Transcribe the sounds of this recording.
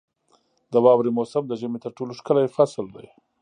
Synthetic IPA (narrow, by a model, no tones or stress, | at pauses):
d̪əwɑwɾimosamd̪əʒəmet̪əɾʈoloʃkəlajefasəld̪a̰j